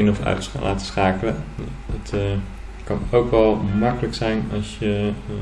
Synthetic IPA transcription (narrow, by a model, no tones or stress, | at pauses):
ɪnɔfœ̰ɥtlʔa̰ːtə̥sχaːkələ | ət | kɑnowkɑlˠmɑkələksɛjnɑ̰lˠsjə